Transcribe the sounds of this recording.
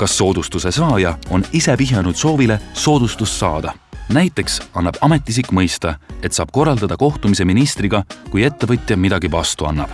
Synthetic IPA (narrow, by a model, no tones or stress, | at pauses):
kɑsːo̞ːd̪̥ust̪use̞sɑːjɑo̞nise̞piɦjenud̪̥so̞ːvile̞so̞ːd̪̥ust̪usːɑːd̪̥ɑ | næjt̪ːˑe̞ksɑnːɑb̥ɑme̞t̪ːˑis̬ikːˑmɤjst̪ɑe̞t̪sɑːb̥̚ko̞rɑld̪ɑd̪ɑko̞ht̪umise̞minist̪riɡ̥ɑkuje̞t̪ːe̞vɤt̪ʲːˑjɑmid̪̥ɑɡ̥ivɑst̪uɑ̰nːɑb̥